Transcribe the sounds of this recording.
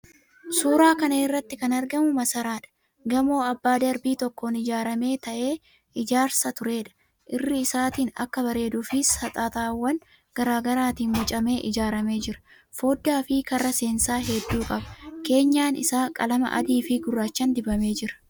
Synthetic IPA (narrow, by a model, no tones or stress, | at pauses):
suːɾaːkɐnɐɪrːɐt̪ːɪkɐnɐɾɡɐmʊmɐsɐɾaːᶑɐ̥ | ɡɐmo̞ːɐbːaːd̪ɐɾbiːt̪ɔkːo̞ːnɪd͡ʒaːɾɐme̞ːt̪ɐʔe̞ː | ɪd͡ʒaːɾsɐt̪ʊɾe̞ːᶑɐ̥ | ʔɪrːɪɪsaːt̪iːnɐ̰kːɐbɐɾe̞ːd̪ʊfɪsɐt̪ʼaːt̪aːwːɐn | ɡ̥ɐɾaːɡɐɾaːt̪iːnmʊt͡ʃʼɐme̞ːʔɪd͡ʒaːɾɐme̞ːd͡ʒɪɾɐ̥ | fo̞ːd̪ːaːfɪkɐrːɐse̞ːnsaːɦɛd̪ːuːkʼɐbɐ̥ke̞ːɲːaːnɪ̰saːkʼɐlɐmɐ̰ʔɐ̰d̪iːfɪɡʊrːaːt͡ʃːɐnd̪ɪbɐme̞ːd͡ʒɪɾɐ̥